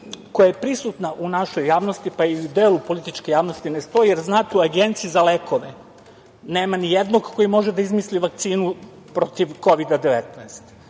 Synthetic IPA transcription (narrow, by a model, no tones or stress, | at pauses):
ko̞jajepɾisut̪naʔunaʃo̞jːaːʋnost̪ipaiud̪e̞ːlˠupo̞lit̪it͡ʃke̞jaːʋno̞st̪inest̪o̞jijeɾznaːt̪euaɡent̪siizaleːkʰo̞ʋe | ne̞ːmanijed̪noɡko̞jimo̞ʒed̪aizmisliʋak̚t̪siːnu | pɾo̞t̪iʋko̞ʋid̪ad̪eʋet̪nɛst̪